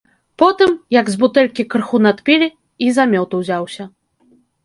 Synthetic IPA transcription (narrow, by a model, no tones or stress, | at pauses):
pɔt̪ɨmjɐɡzbut̪ɛlʲkʲikrxunat̪pʲilʲi | izamʲɔwt̪uwzʲawsʲɐ